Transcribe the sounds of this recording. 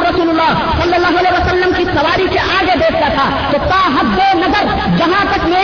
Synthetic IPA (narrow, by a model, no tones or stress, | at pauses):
ɾɐsuːlulːaː | sɐlːɐlːaːɦuɐleɦʋəsɐlːəmkisɐʋaːɾiseʔaːɡed̪eːk̚ʰt̪at̪ʰa | t̪ot̪aɦɐd̪ːonɐzəɾ | d͡ʒɐɦãt̪ɐkme